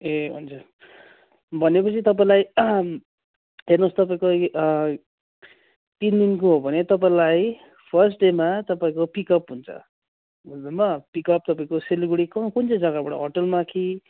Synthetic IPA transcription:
eṵnt͡sʰʌ | bʱʌnep̬ʌt͡sʰit̪ʌp̬aĩlaj | ɦernost̪ʌpaĩko | t̪ind̪inkoɦobʱʌnet̪ʌp̬aĩlaj | pʰʌrsʈɖemat̪ʌpaĩkopikʌpɦunt͡sʰʌ̰ | dʌnmʌpikʌp̚t̪ʌpaĩkoseliɡuɽikʌkunt͡sʰʌd͡zʌɡabʌɽʌ̰ɦoʈʌlmakʰi

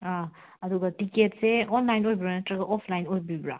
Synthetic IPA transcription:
a | ɐd̪uɡatiketseɔnlajnojbiɾanetɾɐɡaʔɔpʰlajnojbibɾa̰

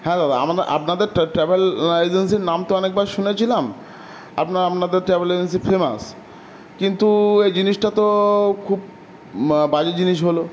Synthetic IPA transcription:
hɛ̃ɾaɾaa̰maa̰pnad̪eɾʈʈɾɛbelajd͡ʑensiɾnamt̪oɔnek̚baɾʃunet͡ɕʰilam | a̰pnaɾapnad̪eɾʈɾɛbelajd͡ʑens̬ifema̰s | kint̪uejd͡ʑiniʃʈat̪okʰub | bad͡ʑed͡ʑiniʃ̬ɦolo

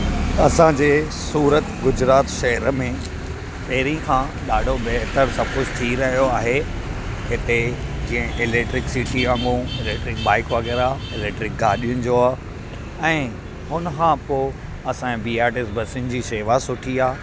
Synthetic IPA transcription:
ɐsãd͡ʑeː | suːɾət̪ɡʊd͡ʑɾaːt̪ʃɐɦəɾmẽ | pɐɦɾĩkʰã | ɗaːɖʱobeɦt̪əɾsɐb̚kʊd͡ʑt̪ʰiɾɐɦijoaːɦe | hɪt̪ed͡ʑĩːə̃ʔɪlek̚ʈɾɪksiːʈiãŋɡũɪleʈɾɪkbaːɪkʋəɣeɾaːɪleːkʈɾɪk̚ɡaːɗijʊnɪ̆d͡ʑoaː | ɛ̃ː | ɦʊnəkʰãːpoː | ɐsãbiːaːɾʈɪsbʱɐsɪn̆d͡ʑiːʃeːʋasʊʈʰiaː

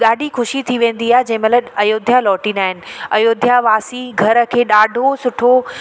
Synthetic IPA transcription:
ɠaːɖʱixʊʃit̪ʰiʋẽːn̆d̪iaːɦɪd͡ʑɐ̃ɦɪ̃mɐləɐjoːd̪ʱjalɔːʈĩːnaːɦɪnɪ̆ɐjoːd̪ʱjaʋaːsiɡʱɐɾə̆kʰeːɗaːɖʱosʊʈʰo

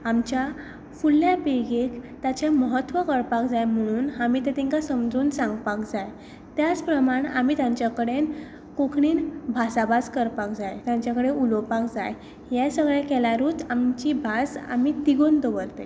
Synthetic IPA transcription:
amt͡ɕja | fulːjapiɡekt̪at͡ɕeməɦət̪ːʋəkəɾpakd͡zajm̤əɽ̃uːnamit̪et̪iŋkasəmd͡zuːnsãŋɡpakd͡zaj | t̪jat͡spɾəmaɳa̰miːt̪jãɲt͡ɕjakəɽen | kokʰɳiːnbʱasabad͡zkəɾpak̚d͡zajt̪jãɲt͡ɕjakəɽeulpakd͡za̰j | jɛsəɡɭjẽkɛlaɾuːt͡samt͡ɕibʱasa̰mit̪iɡond̪obəɾt̪ḛ

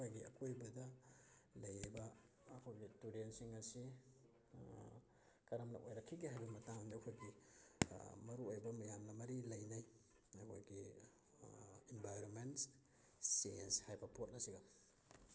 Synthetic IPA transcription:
kʰojɡiɐ̰kʰojbɐdɐ | lɐjajbɐː | kʰojɡituɾensiŋɐsi | kɐɾɐmnɐ̰ʔojɾɐkʰːiɡiɦajbɐmɐtaŋniɐkʰojɡi | mɐɾuojbɐmɐjamnɐmɐɾilɐjnaj | ɐkʰo̰jɡi | imbajɾonments | sejenshajbɐpʰot̚nɐsiɡa

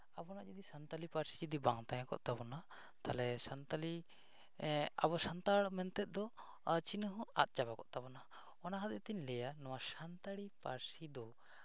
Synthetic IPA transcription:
abɔnad͡ʒəd̪isant̪alipaɾsi̥d͡ʒid̪ibaŋt̪ãjãkɔ̰ʔt̪abɔna | t̪alɛsant̪ali | a̰bɔsant̪aɽmɛnt̪ɛt̪̚ˀd̪ɔ | t͡ʃinɦɔa̰t̪̚t͡ʃabakɔ̰ʔt̪abɔna | ɔnaɦad̪ɛt̪iɲlɛjanɔwasant̪aɽipaɾsid̪ɔ

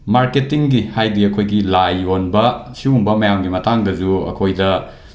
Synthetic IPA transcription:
maɾketiŋɡihajdiɐkʰojɡilajonbɐsiumbɐmɐjamɡimɐtaŋdɐd͡ʒuɐ̰kʰojdɐ

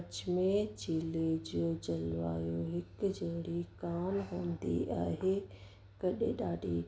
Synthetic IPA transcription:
t͡ʃmẽt͡ɕiːled͡ʑijod͡ʑɐlʋa̰ːjoɦɪkd͡ʑeɽikaːnɦõːnd̪ḭʔaːɦe | kɐɗḛ̃ɗaːɖʱḭ

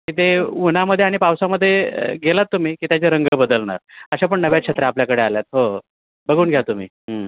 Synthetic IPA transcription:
kit̪eunaməd̪ʱːeaɽ̃ipawsaməd̪ʱːjḛɡelat̪ːum̤iːkiːt̪jat͡ɕeɾəŋɡəbəd̪əlɳa̰ɾəɕap̬əɳːəʋjakɕʰet̪ɾaapljakəɽealjat̪̚ɦo | bəɡuːnɡʱeat̪ːum̤ḭː | ə

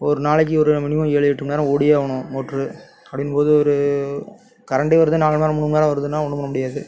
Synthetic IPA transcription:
ɔɾɯnaːɭɐk̬ːiɔɾɯmɪnɪʋɐ̃eːɭɯjɛʈːɯmnaːɾɐ̃oːɽɪjeʋɐɳʊ̃moːʈrɯ | ɐpɽɪnpoːðɯɔɾɯ | kɐɾɐɳɖeʋɐɾɯðɯnaːɭɐmaːɾɐmʊɳːɯmnaːɾɐ̃ʋɐɾɯðɯnːaːɔɳɯmɐɾɐmʊɽɪjaːðɯ

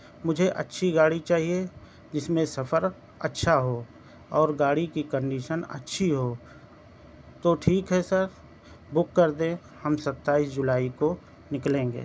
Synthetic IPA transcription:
mʊd͡ʒʱeʔɐ̰tːʃʰiɡaːɽit͡ʃaːɦie | d͡ʒɪsmẽsɐfəɾ | ətːʃʰaɦo | ɔːɾɡaːɽikikə̃ɳɖiːʃənə̰tːʃʰiɦo | t̪oʈʰiːkɦɛsəɾ | bʊkːəɾd̪ẽ | həmsɐt̪ːaːisd͡ʒʊlaːiko | nɪklẽːŋɡḛː

